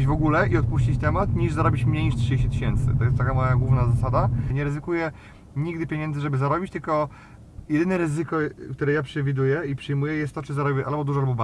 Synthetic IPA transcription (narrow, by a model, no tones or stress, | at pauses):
d͡ʑvɔɡulɛiɔt̪̚puɕt͡ɕit͡ɕt̪ɛmat̪ɲiʐzaɾɔbʲit͡ɕmɲejɲiʂt̪ʂɨd͡ʑeɕ̬t͡ɕɛt̪ɘɕɛnt̪sɘ̰t̪ɔjɛst̪akamɔjaɡwuvnazasad̪aɲɛɾɛzɘkujɛ | ɲiɡd̪ɘpʲjeɲɛnd̪zɘʐɛbɘzaɾɔbʲit͡ɕt̪ɘlkɔ | jɛd̪ɘnɛɾɘzɘkɔkt̪uɾɛjapʂɛvʲid̪ujɛipʂɘjmujɛjɛst̪ːɔt͡ʂɘzaɾɔbʲɛʔalbɔd̪uʐɔalbɔba